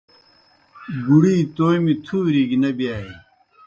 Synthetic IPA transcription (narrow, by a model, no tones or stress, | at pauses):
ɡuɽiːt̪oːjmit̪ʰuːɾiɡinɐbijaːi